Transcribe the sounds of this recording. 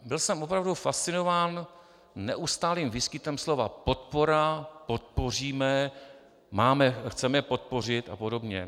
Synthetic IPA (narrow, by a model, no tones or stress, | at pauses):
bɪlsɛmʔopɾavdufast̪t͡sɪno̞vaːn | nɛ̰ʔust̪aːliːmviːskɪt̪ɛmslo̞vapo̞t̪̚po̞ɾapo̞t̪̚po̞r̝iːmɛ | maːmɛxt͡sɛmɛɛpo̞t̪̚po̞r̝ɪt̪apo̞do̞bɲɛ̰